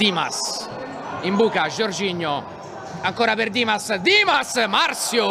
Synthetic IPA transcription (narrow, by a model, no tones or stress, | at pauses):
d̪iːma̰s | imbuːkaʒoɾd͡ʒiɲːʊ | aŋkɔːɾaperd̪iːmasd̪iːmasmarsjʊ